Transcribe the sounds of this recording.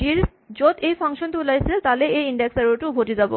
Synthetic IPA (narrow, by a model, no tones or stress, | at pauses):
iɾ | d͡ʑot̪ejfaŋʃont̪ulajsʰelt̪aleeiɳɖeksaɾoʈubʱoʈid͡ʑabo̰